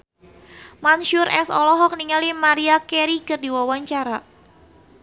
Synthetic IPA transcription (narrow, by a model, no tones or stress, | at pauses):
manʃuɾɛ̰sɔ̰lɔɦɔk̚niŋalimaɾiakɛɾikərdiwawaɲt͡ʃaɾa